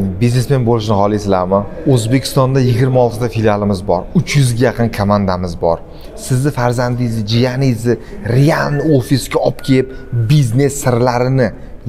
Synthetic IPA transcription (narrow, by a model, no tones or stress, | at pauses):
bizne̞sme̞nbolɪʃ̬nɪhɒlˠisɪlamaɵzbe̞kʲʰɪ̥st̪ɒnd̪ajɪɡʲɪɾmaɒlˠt̪ʰɪt̪ʰafilʲjalɪmɪzbɒɾʊt͡ʃʰjʊzɡʲajɑqʰɨnkʰomand̪amɪzbɒɾ | sɪzd̪ɪfaɾzand̪ɪjzɪd͡ʒijanizɪɾejanofisɡʲaɒpkʲʰeɪp̚bizne̞sːɪɾlaɾɪnɪ